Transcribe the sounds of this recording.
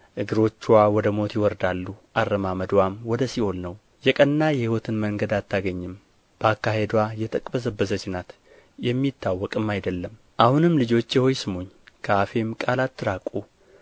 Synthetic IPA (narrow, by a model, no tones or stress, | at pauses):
ʔɨɡɨɾo̞t͡ʃːuwawɔd̪əmo̞t̪jɪwɔɾd̪alːuʔarːəmaməd̪wamwɔd̪əsiho̞lnəw | jɛkʼənːajɛhiwɔt̪ʰɨnməŋɡəd̪at̪ʰːaɡəɲːɪm | b̥əakːahe̞d̪wajɛt̪ʰəkʼbəzəbːəzəd͡ʒɪnat̪ | jɛmːit̪ʰːawːɔkʼɨmːajd̪əlːəm | ʔahunɨmlɨd͡ʒo̞t͡ʃːjɛho̞jsɨmoɲːkʰəafe̞mkʼalat̪ːɨɾakʼu